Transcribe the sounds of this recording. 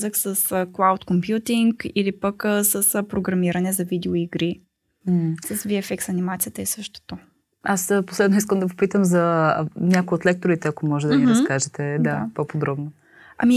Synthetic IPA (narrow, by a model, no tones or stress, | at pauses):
zəxsəsklˠawt̪kompjut̪iŋkilipəkːsəspɾoɡɾɐmiɾɐnɛzɐvid̪ɛoiɡɾi | sɐsviɛfɛksɐnimat̪sijət̪əisɤʃt̪o̥t̪o | aspo̥slɛd̪nois̬kəmd̪ɐvopit̪əmzɐnʲakojot̪lɛk̚t̪oɾit̪ɛɐkomɔʒɛd̪ɐniɾəskaʒɛt̪ɛd̪apopod̪ɾɔbno | ɐ̰mi